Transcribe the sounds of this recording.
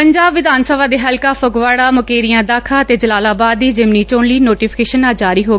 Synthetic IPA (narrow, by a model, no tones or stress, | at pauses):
pəɲd͡ʒaːbʋɪd̪ʱaːnsəbaːd̪eːɦəlkaːpʰʊkʋaːɽaːmʊkeːɾijãːd̪aːkʰaːət̪eːd͡ʒəlaːlaːbaːd̪ːiːd͡ʒɪmniːt͡ʃoːɳliːnoːʈiːpʰɪ̥keːʃənãːd͡ʒaːɾiːɦoː